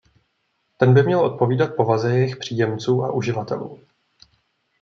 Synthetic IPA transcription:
t̪ɛnbɪmɲɛlʔo̞t̪̚po̞viːdat̪̚po̞vazɛjɛjɪxpr̝̥iːjɛmt͡suːʔa̰ʔuʒɪvat̪ɛ̰lṵː

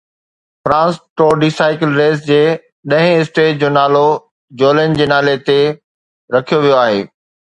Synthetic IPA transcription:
fɾãːnsʈoːɖiːsaːɪkɪlɾeːsd͡ʑeː | ɗɐ̃ɦɪ̃ɪsʈeːʈd͡ʑoːnaːlo | d͡ʑoːlənd͡ʑeːnaːlet̪e | ɾɐkʰijoʋijoaːɦḛː

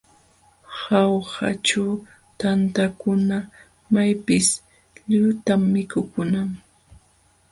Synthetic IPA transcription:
hawhat͡ʃaw | t̪ant̪akʊna | majpɪs | ʎʊt̪amːɪkʊkʊnaŋ

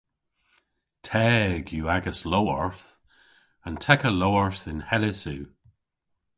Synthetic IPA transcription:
tʰɛːɡjuaɡəsloɔɹθ | ə̃ntʰɛkəlowəɹθɪ̃nhɛlɪsʉ

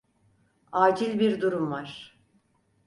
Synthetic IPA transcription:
aːd͡ʒilʲbiɾd̪uɾumvaɾ̥

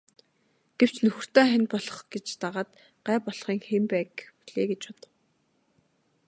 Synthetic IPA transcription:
ɡ̥ew̥t͡ɕnɵxɵ̆r̥t̪œːχænʲpɔɮɞ̥̆χɡet͡ɕt̪aʁaːt̪ | ɢæːpɔɮχiːŋxempæːkpu̥ɮeːɡet͡ɕpɔt̪ə̆w

